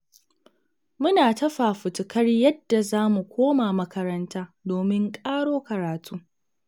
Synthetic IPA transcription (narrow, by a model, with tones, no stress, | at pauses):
mʊ˦naː˨tɐ˦ɸaː˨ɸʊ˨tʊ˨kʰɐ˦rjɐ˦dːa˨zaː˦mu˨kʷoː˦maː˨mɐ˦kɐ˦ɾɐ˦ntaː˦doː˨mɪ˦ŋkʼaː˦ɽoː˦kɐ˨ɾaː˨tʰuː˦